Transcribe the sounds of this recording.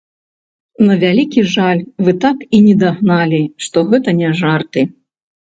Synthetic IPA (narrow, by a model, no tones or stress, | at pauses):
nɐvʲalʲikʲiʐalʲvɨt̪akinʲɛd̪aɣnalʲiʂt̪ɔɣɛt̪ɐnʲɛʐart̪ɨ